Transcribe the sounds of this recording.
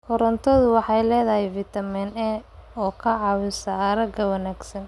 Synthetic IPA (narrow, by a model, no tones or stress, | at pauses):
kʰɔɾɔnt̪ʰɔðʊwɑħɑjlɛːðɐɦɛjvit̪ɐmiːnɛɔːkʰɐʕɑwɪsaɾɐɡɐwɐnaːɡsɐn